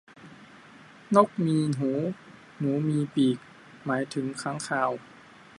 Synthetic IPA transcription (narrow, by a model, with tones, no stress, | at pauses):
nɔ˥˩k̚miː˧ɦuː˩˦ | nuː˨˦miː˧piː˨˩k̚ | maː˩˦jt̪ʰɯ˩˦ŋkʰaː˧˥˨ŋkʰaː˧w